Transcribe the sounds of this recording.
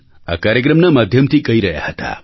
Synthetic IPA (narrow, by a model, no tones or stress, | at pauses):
a̰kaɾjek̬ɾəmnəməd̪ʱjəmt̪ʰikəiɾəɦja̰hət̪a̰